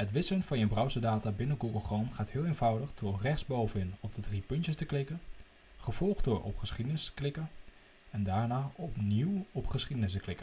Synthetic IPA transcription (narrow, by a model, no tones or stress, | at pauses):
hətʋɪsənfɑnjəbrawsədaːtabɪnəɡuɡəlˠχrɔnχaːthɪːlˠeːnv̥ʌwdəχdorɛχsbowvəɪnɔb̚dədripɵntjəstəklɪkə | χəv̥ɔlˠχt̚dʊɹʔɔ̰pχəsχidənɪstə̥klɪkə | ɛndaːɹnaːɔpniwɔpχəsχidənɪs̬təklɪkən